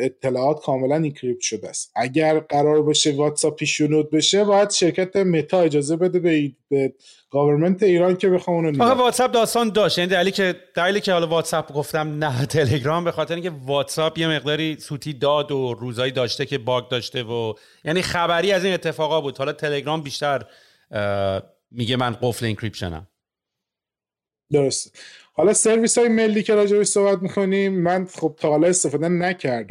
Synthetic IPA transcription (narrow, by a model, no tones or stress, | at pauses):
et̪ʰːe̞lɒːɒːt̪kʰɒːme̞læniŋcʰɾip̚t̪ʃod̪eæst̪ʔæɟʲæɾɢæɾɒːɾbeʃevɒt̪sɒpʰːiːʃonud̪̚beʃebɒːjæd̪̥ʃe̞ɾcʰæt̪ʰemet̪ʰɒːe̞d͡ʒɒːze̞be̞d̪ebebe | ɡ̥ɒveɾment̪ʰeiːɾɒncʰebexɒmunonɒxevɒːt̪sæb̚d̪ɒːst̪ɒːnd̪ɒːʃt̪jæniːd̪æɾilicʰed̪̥æɾiːliːcʰehɒlɒvɒːt̪sæbɡo̞ft̪æmnæt̪ʰe̞le̞ɡɾɒmbe̞xɒːt̪eɾeiŋcʰevɒːt̪ʰsɒbje̞me̞ɣd̪ɒːɾiːsuːt̪ʰiːd̪ɒːd̪oɾuːzɒːjiːd̪ɒːʃt̪ecʰe̞bɒːɡ̚d̪ɒːʃt̪e̞vo | jæːniːxæbæɾiːæziːne̞t̪ʰːefɒːɣɒbuːd̪̥hɒlɒːt̪ʰe̞leɡɾɒːmbiːʃt̪æɾ | miɟemænɢofleiŋkʰɾipʃo̰næ̰m | d̪oɾost̪hɒlɒse̞ɾviːsɒːjeme̞lːiːcʰe̞ɾɒːd͡ʒebeʃsohbæt̪̚mikʰo̞nimːænχob̚t̪ʰɒhɒːlɒest̪e̞fɒːd̪enæcʰæɾd̪æ